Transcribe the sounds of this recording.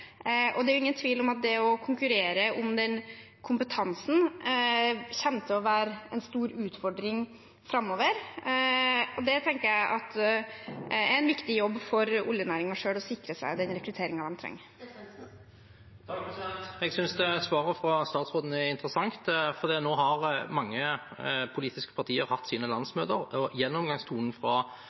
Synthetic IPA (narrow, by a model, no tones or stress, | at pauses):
ʔɔd̪ɛæɾjʊɪŋːənt̪ʰʋiːlɔmɑt̪̚d̪ɛɔkʰʊŋkʉɾeːɾəʔʊmd̪ɛn | kʰʊmpət̪ʰɑnsn̩ | çɛnt̪ʰəɔʋæːɾəɛnst̪uːɾʉːt̪fɔɖɾɪŋ | fɾɑmːoːʋəɾ | ɔd̪ɛt̪ʰɛŋkəɾjæɪʔɑt̪ | ɛæɾɛnʋɪkt̪ɪjɔbːfɔɾʊljənæːɾɪŋɑʂøːɽɔsɪkɾəsæ̰ɪd̪ɛnɾɛkɾʉt̪ʰeːɾɪŋɑd̪ɛmt̪ʰɾɛ̰ŋː | ɛɡsʏnsd̪ɛsʋɑːʁəfɾʁɑst̪ɑːt̪sɾʁoːd̪n̩ɛɪnt̪ɾəsɑŋt̪fɔʁd̪iːnoːɦɑʁmɑŋːəpʰʊliːt̪ɪskə̥pʰɑt̪ʰiːəɾhɑt̪ːsiːnəlɑnsmøːt̪əʁɔjɛnːɔmɡɑŋst̪ʰuːnn̩fʁɑ